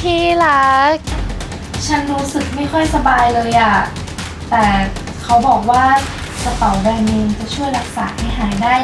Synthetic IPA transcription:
t̪ʰiː˥˩la˦k̚ | t͡ɕʰa˦˥nɾuː˦˥sɯ˨˩k̚ma˥˩jkʰɔ˥˩jsa˧baː˧jlɤː˧jʔa˨˩ | t̪ɛː˨˩ | kʰa˦˥wbɔː˨˩k̚waː˥˩ | sa˧t̪a˨˩˦wbɛː˧nni˧ŋt͡ɕa˨˩t͡ɕʰu˥˩əjla˨˩k̚saː˩˦ha˥˩jɦaː˩˦jdaː˥˩j

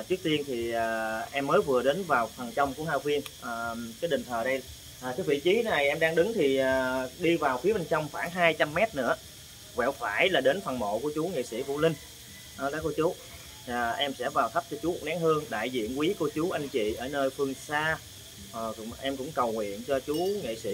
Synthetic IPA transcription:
t͡ɕɨ˦˥ək̚t̪i˧ənt̪ʰi˨˩ʔəː˨˩ʔɛ˧mːəː˨˦jvɨ˨˩əɗe˨˦nvaː˨˩wfa˨˩nt͡ɕə˧wŋ͡mku˧˩əhaː˧kwi˧ənʔːkaː˨˦jɗï˨˩ŋ̟t̪ʰəː˨˩ɗə˧j | ʔːt̪e˨˦vḭ˧˨t͡ɕi˨˦na˨˩jʔɛ˧mɗaː˧ŋɗɨ˨˦ŋt̪ʰi˨˩ʔəː˨˩ɗi˧vaː˨˩wfwəɓə˧ŋt͡ɕə˧wŋ͡mxwaː˧˩ŋɦaː˧jt͡ɕa˧mːɛ˦˥t̚nɨ̰˧˥ə | wɛ̰˧˨wfaː˧˩jlaː˨˩ɗe˨˦nfʰwa˨˩nmo̰˧˨ku˧˩ət͡ɕu˨˦ŋḭ˧˨sḭ˧˩vṵ˧˨lï˧ŋ̟ | ʔəː˧ɗə˨˦ko˧˩t͡ɕuː˨˦˨ | ʔɛ˧msɛ̰˧˥vaː˨˩wt̪ʰə˦˥p̚t͡ɕɔ˧t͡ɕu˨˦˨k̚naː˨˦ŋhɨ˧əŋɗa̰ː˧˨jzḭ˧˨ənkwi˨˦ko˧t͡ɕu˨˦ʔa˧jŋ̟t͡ɕḭ˧˨ʔəː˧˩nəː˧jfɨ˧əŋsaː˧˨˩ | ʔɛ˧mkʊ̰˧˥ŋ͡mkə˨˩wŋwḭ˧˨ənt͡ɕɔ˧t͡ɕu˨˦ŋḭ˧˨sḭ˧˥˨

